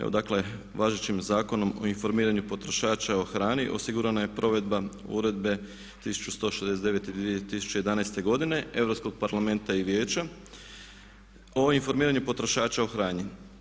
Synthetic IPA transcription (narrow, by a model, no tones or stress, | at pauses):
ḛod̪akle̞ | ʋaːʒet͡ɕimzaːko̞no̞mo̞̰info̞ɾmiːɾaɲupo̞t̪ɾo̞ʃaːt͡ʃao̞xɾaːniʔo̞siɡuɾanaje̞pɾo̞ʋe̞d̪baṵɾe̞d̪be̞ | t̪isu̥t͡ʃu̥st̪o̞ːʃezd̪es̬ed̪e̞ʋe̞t̪id̪ʋiet̪isu̥t͡ʃeje̞d̪anaest̪e̞ɡo̞d̪ine̞e̞ʋɾopsko̞ɡ̚paɾlˠame̞nt̪aiʋje̞ːt͡ʃa | o̞info̞ɾmiːɾaɲupo̞t̪ɾo̞ʃaːt͡ʃao̞xɾaːɲi